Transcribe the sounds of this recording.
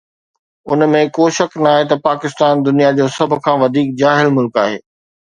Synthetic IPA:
ʊnmẽkoːʃɐknɐaːɦet̪ɐpaːkɪst̪aːnd̪ʊnijad͡ʑoːsɐbʱʊ̆kʰãːʋɐd̪ʱiːk̚d͡ʑaːɦɪlmʊlkaːɦḛː

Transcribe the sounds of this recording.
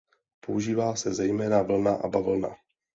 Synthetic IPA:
pouʒiːvaːsɛzɛjmɛːnavl̩naʔa̰bavl̩na̰

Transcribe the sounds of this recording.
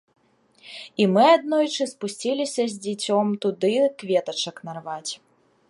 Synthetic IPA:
imɨad̪nɔjt͡ʂɨspusʲt͡sʲilʲisʲɐzʲd͡zʲit͡sʲɔmt̪ud̪ɨkvʲɛt̪ɐt͡ʂɐknarvat͡sʲ

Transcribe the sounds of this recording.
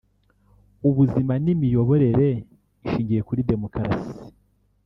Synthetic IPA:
uβuzimanimijo̞βo̞ɾe̞ɾe̞ | iʃiːɲɟije̞kuɾide̞mo̞kaɾa̰si̥i̥

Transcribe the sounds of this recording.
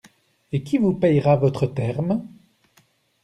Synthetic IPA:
ekʲivupɛjʁavɔt̪χət̪ɛʁm

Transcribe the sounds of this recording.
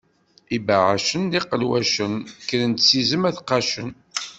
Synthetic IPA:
ibaʕaʃənliqəlwæʃənkːələnt̪sizəmæθqɑʃən

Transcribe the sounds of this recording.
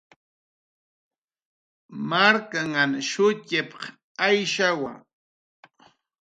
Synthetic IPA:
maɾkaŋanʃʊt͡ʃɪpɑ̥χ | ajʃawa̰

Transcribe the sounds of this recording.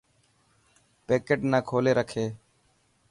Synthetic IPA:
peːkeːʈnãːkʰoːleːɾəkʰeː

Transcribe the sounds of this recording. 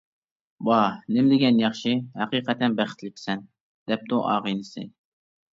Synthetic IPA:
bɑnɪmd̪ɪɡʲɛnjɑχʃihæqiːqʰɛt̪ʰɛnbæχɪ̥t̪ʰlɪkʲʰsɛn | d̪̥ɛp̚t̪uʔɑːʁɨnɨsɨ̰

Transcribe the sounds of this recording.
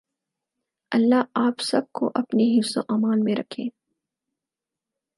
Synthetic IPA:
ɐlːaaːpsɐb̚ko̰ʔɐpneɦɪfsõ̰ʔaːmaːlmẽɾɐkʰẽː

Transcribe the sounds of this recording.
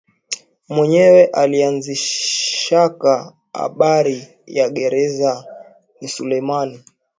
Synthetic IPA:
mwɛɲɛwɛʔalianziʃaka | a̰ɓaɾi | jaɠɛɾɛza | nisulɛjmani

